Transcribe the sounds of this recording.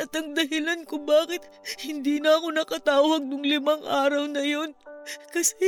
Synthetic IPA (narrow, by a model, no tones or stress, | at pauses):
ʔɐt̪ɐŋd̪ɐɦɪlankobaːkɪt̪̚ | hɪnd̪iːnɐɐko̞nɐkɐt̪aːwɐɡ̚nʊŋlɪmɐŋʔaːɾɐwnɐjo̞nkɐsɛ